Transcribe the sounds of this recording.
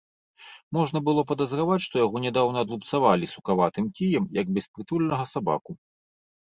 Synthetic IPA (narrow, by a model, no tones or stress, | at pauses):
mɔʐnɐbɨlˠɔpɐd̪ɐzɾavat͡sʲʂt̪ɔjaɣɔnʲɛd̪awnɐːd̪lˠup̪savalʲisukavat̪ɨmkʲijɛmjɐɡ̚bʲɛspɾɨt̪ulʲnɐɣɐsaba̰ku